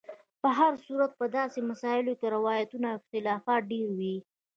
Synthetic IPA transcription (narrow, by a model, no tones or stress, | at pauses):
pəɦaɾsuɾat̪̚pəd̪ɑsemasɑɪlokeɾɪwɑjat̪unaɪxt̪ɪlɑfɑt̪̚ɖeɾwi